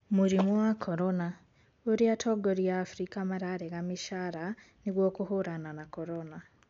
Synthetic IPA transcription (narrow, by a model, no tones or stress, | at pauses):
muɾimuwakʰoɾona | uɾiatʰoɡoɾijaːfuɾikamaɾaɾeɣamiʃaɾa | niɣwoːkuhuɾananakoɾona